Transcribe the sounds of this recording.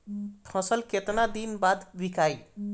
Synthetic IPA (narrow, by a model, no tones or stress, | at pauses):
pʰʌ̃səlket̪nad̪inbad̪bikaj